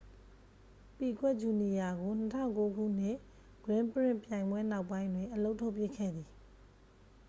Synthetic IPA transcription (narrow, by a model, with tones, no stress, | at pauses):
pi˨ɡwɛ˦ʔd͡ʑu˨ni˨ja˨ɡo˨n̥ətʰã̰˦˨ʊ̃ŋko˦ɡṵ˦˨n̥ɪ̃˦˨ | ɡ̥ɹɪ̃˦mpəɹɪ̃˦˨mpjã˨ɪ̃mbwɛ˦na˦ʊpːã˦ɪ̃ndwɪ̃˨ʔəlo˦ʊʔtʰo˦ʊpjɪ˦˨kʰːɛ̰˦˨d̪ði˨